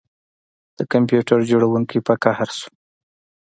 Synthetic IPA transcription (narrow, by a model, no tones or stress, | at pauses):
d̪̥əkampjuʈaɾd͡ʒoɽawuŋkipakahaɾsu̥